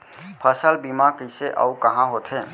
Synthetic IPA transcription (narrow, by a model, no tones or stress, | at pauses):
pʰəsəlbimakəɪseʔa̰ukəɦãɦoːt̪ɦɛ̃ː